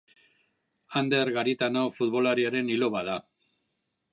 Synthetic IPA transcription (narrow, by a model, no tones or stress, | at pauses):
and̪e̞ɾɣaɾit̪ano̞fut̪βo̞laɾiaɾe̞nilo̞βaða